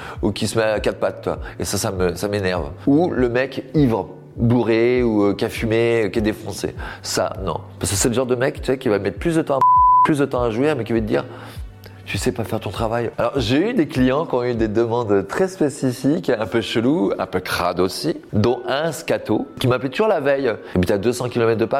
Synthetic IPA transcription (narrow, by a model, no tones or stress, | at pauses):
ukʲisəmɛkat̪̚pat̪̚ːɥwa̰ḛsasaməsamenɛʁvuləmɛkivʁə | buʁeuøkʲafymekʲiɛd̪efɔ̃sḛsa̰nɔ̰̃paʁskə̥sɛləʒɑ̃ʁd̪əmɛkt̪yɛkʲivamɛt̪χplysd̪ət̪ɑ̃plys̬d̪ət̪ɑ̃aʒwiʁmɛkʲivət̪əd̪ḭʁ | t̪ysɛpafɛʁt̪ɔ̃t̪χavajalɔʁʒeyd̪eklijɑ̃kʲɔ̃yd̪ed̪əmɑ̃d̪t̪χɛspesifikɛ̃pøʃəluɛ̃pøkχa̰d̪osid̪ɔ̃ɛ̃skat̪okʲimaplɛt̪uʒuʁlavɛjepit̪yad̪øsɑ̃kʲilɔmɛt̪χd̪əpa